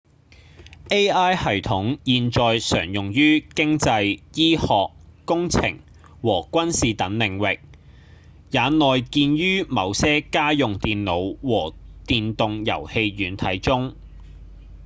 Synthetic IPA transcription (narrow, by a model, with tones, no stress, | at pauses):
ʔe˥jaː˥jhɐ˨˩jt̪ʰʊ˨˥ŋjiː˨˧nt͡sɔː˨jsœː˨˩ŋjʊ˨ŋjyː˥kɪ˥ŋt͡sɐ˧jjiː˥hɔː˨k̚ːʊ˥ŋt͡sʰɪ̰˨˩ŋ | wɔː˨˩kʷɐ˥nsiː˨t̪ɐ˨˥ŋlɪ˨˩ŋwɪ˨k̚ | jaː˨˧nɔː˨jkiː˧nɥyː˥mɐ˨˧wsɛː˥kaː˥jʊ˨ŋt̪iː˨nlo˨˧wwɔː˨˩t̪iː˨nt̪ʊ˨˧ŋjɐ̰˨˩whe˧jɥyː˨˥nt̪ʰɐ˨˥jt͡sʊ˥ŋ